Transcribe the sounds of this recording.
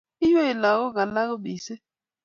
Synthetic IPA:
i˦jɔ˦i˨la˨ɣɔ˦ɣa˨la˦ɣʊ˦ɓi˨sɛ˦

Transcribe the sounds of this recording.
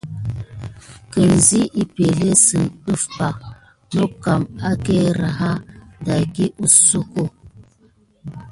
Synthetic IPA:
kə˨nzi˦ʔi˨pe˨le˦sɨ˨nɗə˦fpa˨ | no˦ka˨ma˦ke˦ɾa˨ɦa˦da˨ki˦ʔu˨su˦ko˦˨

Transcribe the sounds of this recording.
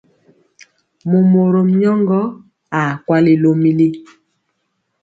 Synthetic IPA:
mo˨mo˨ɾo˨m̩˨˦ɲɔ˦ŋɡɔ˦ | a˨kwa˦le˨lo˦mi˦li˦

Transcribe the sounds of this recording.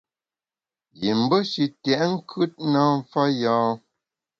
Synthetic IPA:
ji˨m̩˨˦bə˦ʃi˨tjɛ˨ʔŋ̩˦kʰʉ˦t̚na˦ɱ̩˦fa˦jɔ̃ː˨˦

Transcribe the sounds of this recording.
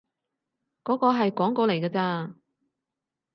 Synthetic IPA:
kɔː˨˥kɔː˧ɦɐ˨jkɔː˨˥ŋkoː˧le˨˩jkaː˧t͡saː˧

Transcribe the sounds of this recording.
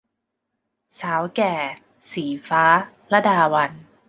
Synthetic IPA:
saː˩˦wkɛː˨˩ | siː˩˦faː˦˥ | la˦˥daː˧wa˧n

